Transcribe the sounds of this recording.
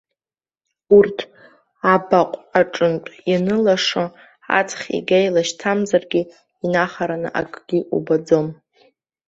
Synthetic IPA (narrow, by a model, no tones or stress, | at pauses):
urtʰ | abaqʷʼaʈ͡ʂʼɨntʼjanɨlaʂo | a̰t͡sʰχʲḭɡʲajlaʃtʰamzarɡʲi | inaχaɾanɨ̰ʔa̰kʼɡ̥ʲiʔṵbad͡zo̞m